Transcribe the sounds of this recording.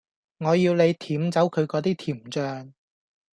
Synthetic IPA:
ŋɔː˨˧jiː˧wne˨˧jt̪ʰiː˨˥mt͡sɐ˨˥wkʰɵ˨˧ɥkɔː˨˧˥t̪iː˥t̪ʰiː˨˩mt͡ʃœː˧ŋ

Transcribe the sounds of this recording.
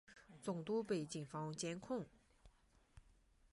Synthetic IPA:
t͡so˩˨ŋt̪u˥˨pɛː˨t͡ɕi˩˨ŋfɑ˥ŋt͡ɕɛ˥nkʰɔ˥˨ŋ

